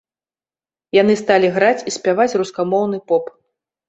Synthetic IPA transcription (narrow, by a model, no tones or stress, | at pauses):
jan̪ɨst̪alʲiɣɾat͡sʲisʲpʲavat͡sʲruskamɔwn̪ɨpɔp